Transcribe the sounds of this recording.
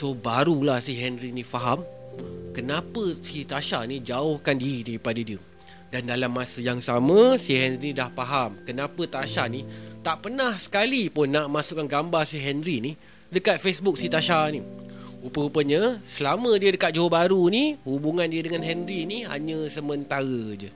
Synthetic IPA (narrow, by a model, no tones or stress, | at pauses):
sohbaɾulahsiɦɛnɾinifaɦamkənapəsit̪aʃanid͡ʒaʊhkandiɾidaɾipadədiə | dandalamːasəjaŋsamə̃siɦɛnɾiindahpaɦamkənapət̪aʃanit̪aʔpənahsə̥kalipʊnːaʔmasuʔkːanɡambasiɦɛnɾini | dəkat̪̚fesbʊk̚sit̪aʃani | upəupəɲəsəlamə̃diədəkat̪̚d͡ʒaɦobaɾunihubuŋandiədəŋanɦɛnɾiniɦa̰ɲə̃səmənt̪aɾəd͡ʒə